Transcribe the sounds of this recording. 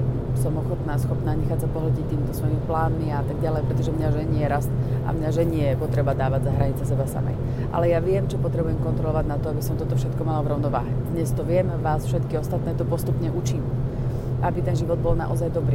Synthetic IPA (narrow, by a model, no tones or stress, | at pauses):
sɔmɔxɔt̪naːsxɔpnaːɲɛxaːcsapɔɦlɟict̪iːmit̪ɔsʋɔjimiplaːnmiaat̪aɡ̚ɟalɛjpɾɛt̪ɔʒɛmɲaʒɛɲɪɛɾast̪ʔa̰mɲaʒɛɲɪɛjɛpɔt̪ɾɛbad̪aːʋaɟzaɦɾaɲit͡sasɛbasa̰mɛ̰j | ʔa̰lɛjaʋɪɛmt͡ʃɔpɔt̪ɾɛbujɛmkɔnt̪ɾɔlɔʋaɟnat̪ɔabisɔmt̪ɔt̪ɔfʃɛt̪kɔmalaʋɾɔʊnɔʋaːɦɛd̪ɲɛst̪ɔʋɪɛmʋaːsfʃɛt̪kiɔst̪at̪nɛːt̪ɔpɔst̪upɲɛʔut͡ʃiːm | ʔabit̪ɛnʒiʋɔd̪̚bɔlna̰ʔɔzajd̪ɔbɾiː